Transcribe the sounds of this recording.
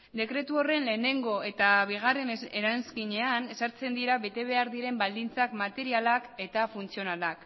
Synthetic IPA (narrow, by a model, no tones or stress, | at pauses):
d̪e̞kɾe̞t̪uo̞re̞nle̞ne̞ŋɡo̞e̞t̪aβ̞iɣ̞are̞neɾanskiɲe̞ane̞saɾt͡se̞nd̪iɾaβe̞t̪e̞β̞e̞aɾðiɾe̞mbald̪int͡sakmat̪e̞ɾialake̞t̪afunt͡sio̞nalak